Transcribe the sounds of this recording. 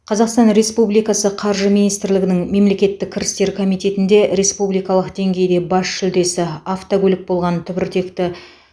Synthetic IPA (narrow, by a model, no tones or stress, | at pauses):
qʰɑzɑqst̪ɑnɾe̞spublijkɑsəqʰɑɾʒəminijst̪ɪɾlɪɡʲɪnɪŋme̞mle̞kʲe̞t̪ːɪkʲʰːɪɾɪst̪e̞ɾkʰomijt̪e̞t̪ɪnd̪e̞ɾe̞spublijkɑlˠəqd̪e̞ŋɡʲe̞jd̪e̞bɑsʃʏld̪e̞sɪaft̪oɡʲolʲɪk̚bo̞lˠʁɑnt̪ʰʏbɪɾt̪ʰe̞kt̪ɪ